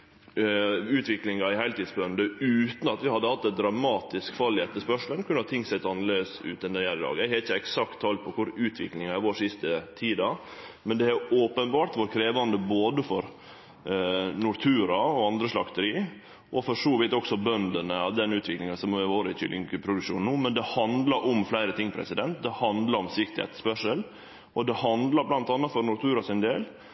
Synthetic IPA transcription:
ʉːt̪ʋɪklɪŋɑɪhæɪlt̪ɪːd̪sbœnd̪əʉːt̪n̩ɑt̪ʋɪhɑd̪ːəhɑt̪ːɛd̪ɾɑmɑːt̪ɪskfɑlɪɛt̪ːəʂpœʂl̩ənkʰʉnət̪ʰɪŋsɛt̪ɑnleːəsʉ̰ːt̪ɛnd̪ɛjæɾɪd̪ɑ̰ːɡæhɛɪçəɛksɑkt̪ʰːɑːlt̪̚pʰɔkʰʊɾʉːt̪ʰʋɪklɪŋɑɪʋoːʂɪst̪ət̪ʰiːd̪ɑmɛnd̪ɛhæɾoːpənbɑːʈ̪ʋoːɾkʰɾeːʋɑnd̪əboːd̪əfɔɾ | nʊɾt̪ʰʉːɾɑɔɑnd̪ɾəsʂlɑkt̪əɾiː | ʔɔfɔʂoːʋɪːt̪ɔksɔbœnd̪ənəɑʋd̪ɛnːʉːt̪ʰʋɪklɪŋɑnsɔmɛʋoːɾəɪtʰʏ̰lɪŋkəpʰɾʊd̪ʉkʂuːn̩uːmɛnd̪ɛhɑnd̪lɑɾʔɔmflæɪɾət̪ʰɪŋːpʰɾɛ̰sɪd̪ɛnt̪d̪ɛhɑnd̪lɑɾɔmsɪkt̪ɪhɛ̰t̪spœʂəl | ɔd̪ɛhɑnd̪lɑɾblɑnt̪ɑnːɑt̪fɔɾnʊɾt̪ʰʉːɾɑsɪnd̪eːl

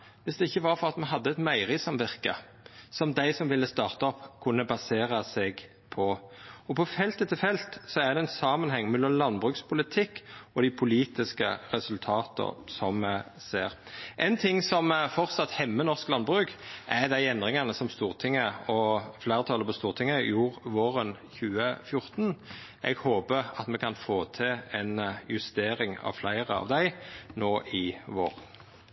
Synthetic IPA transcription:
ʋɪsd̪ɛɪçːəʋɑɾfɔʁɑt̪mɛɦɑd̪ːəɛt̪mæɪʁɪsɑmʋɪʁkə̰ | sɔmd̪æɪsɔmʋɪlːəst̪ɑːʁt̪ɑɔpːkʰʉnːəbɑseːɾəsɛɡ | pʰɔɔpʰɔfɛlt̪ət̪ʰɪlfɛlt̪sɔæʁd̪ɛɛnsɑːmənhɛŋːmɛlːəmlɑnbʁʉkspʰʊlɪt̪ʰɪkːɔd̪ɪpʰʊliːt̪ɪskə̰ʁɛsʉlt̪ʰɑːt̪ə̰sɔmːæ | seːɾʔɛɪnt̪ʰɪŋːsɔmfɔʁt̪sɑt̪hɛmːənɔʁsklɑnbʁʉːkʔæɾd̪æɪɛnd̪ʁɪŋɑnəsɔmst̪uːʁt̪ʰɪŋːəɔflæɪʁət̪ʰɑːləpɔst̪uːʁt̪ʰɪŋːəjuːɾʋoːɾənçʉːəfjʊɾt̪n̩ | ʔɛ̰ɡhoːpəʁɑ̰t̪mɛkʰɑnfoːt̪ʰɪɛnjʉst̪eːɾɪŋɑ̰ʋflæɪʁəɑ̰ʋd̪æɪnoːʔɪʋoːʁən

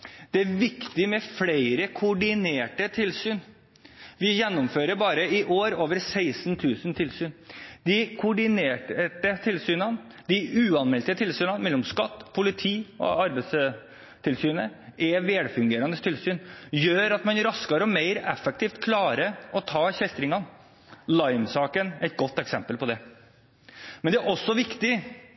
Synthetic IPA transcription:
d̪̥ɛæɾʋɪkt̪ɪmɛfleɪɾəkʰʊɖɪneːʈət̪ʰɪlsyːn | ʋɪjɛnːʊmføːɾəɾbɑːɾəɪʔoːɾoːʋəɾsæɪsnt̪ʰʉːsnt̪ʰɪlsyːnd̪ɪkʰʊɖɪneːʈʈət̪ʰɪlsyːnɑn | d̪ɪʉːɑnmɛlt̪ət̪ʰɪlsyːnɑnmɛlːɔmskɑt̪ːpʰʊlɪt̪ʰiːɔ̰ɑɾbɛɪs | t̪ʰɪlsyːnəʔɛʋeːɽfʉŋɡeːɾɑnd̪əst̪ʰɪlsyːnjøːɾɑt̪mɑnɾɑskɑɾəɔmeɪɾɛfːɛk̚t̪ʰiːft̪kʰlɑːɾəɔt̪ʰɑːçɛst̪ɾɪŋɑn | lɑɪmsɑːkənɛɪt̪̚ɡɔt̪ːɛksɛmpəlpʰɔd̪ɛ | mɛnd̪ɛæɾʔɔsːɔʋɪkt̪ɪ

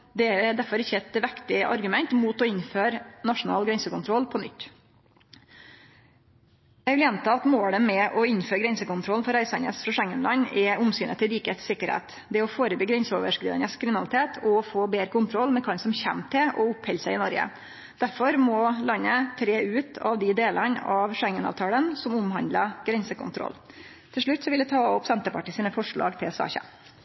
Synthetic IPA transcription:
d̪ɛd̪æɾfɔɾɪçːəɛt̪ʋækt̪ɪʔɑ̰ɾɡʉmɛnt̪muːt̪ɔɪnføːɾnɑʂʊn̩ɑ̰ːlɡɾɛnsəkʊnt̪ʰɾɔlːpʰɔnʏ̰t̪ː | jæɪʋɪljɛnt̪ʰɑɑt̪moːɽəmɛʔɔɪnføːɾɡɾɛnsəkʊnt̪ʰɾɔlnfɔɾæɪsɑnə̰sfɾɑʂæŋːənlɑɲɛʊmsyːnə̰t̪ʰɪlɾiːkhet̪sɪkːəɾhḛːt̪ | d̪ɛɔfoːɾəbyːɡɾɛnsəoʋəʂkɾiːd̪ə̰nəskʰɾɪmɪnɑlɪt̪ʰeːt̪ʰɔfoːbeːɾəkʊnt̪ʰɾɔlːmɛkʰɑnsɔmçæ̰mːt̪ʰɪʔɔʊphɛlsæɪɪnɔɾɡə̰ | d̪̥æɾfɔɾmɔlɑnːət̪ʰɾeːʉːt̪ʰɑʋd̪ɪd̪eːlənɑʋʂɛŋənɑ̰ːʋt̪ʰɑːlənsɔmʊmɦɑnd̪ləɡ̥ɾɛnsəkʊ̰nt̪ʰɾɔ̰l | t̪ʰɪlʂɭʉt̪ːsɔʋɪld̪ɛt̪ʰɑːɔpsɛnt̪əpʰɑʈːɪsiːnəfɔʂɭɑ̰ːɡt̪ʰɪlsɑ̰ːçə̰

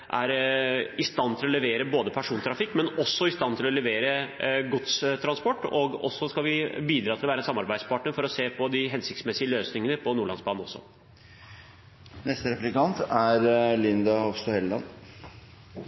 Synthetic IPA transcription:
ʔæɾɪst̪ɑnːt̪ʰɪlɔlɛʋeːɾəboːd̪əpʰæʂuːnt̪ʰɾɑfɪkːmɛnɔsːɔɪst̪ɑnt̪ʰɪlɔlɛʋeːɾəɡʊt̪st̪ʰɾɑnspɔʈːɔɡɔ̰sːɔskɑlʋɪbiːd̪ɾɑːt̪ɪlʋæːɾɛnsɑmːɑɾbæɪspʰɑʈɳəɾfɔɾɔseːpʰɔd̪ɪɦɛnsɪkt̪smɛsɪəløːsnɪŋənəpʰɔnuːɭɑ̰nsbɑːnɔsːɔ̰ | nɛst̪əɾɛflɪkɑnt̪æɾlɪnd̪ɑɔfst̪ɔːhɛlːɑ̰n

